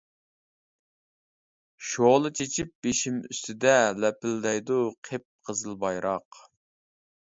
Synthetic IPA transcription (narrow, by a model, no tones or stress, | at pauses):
ʃoʁlˠɨt͡ʃʰet͡ʃʰip̚b̥eʃimy̰st̪ɪd̪ɛlɛpɪld̪ɛjd̪uqʰep̚qʰəzɨlˠbɑjɾɑq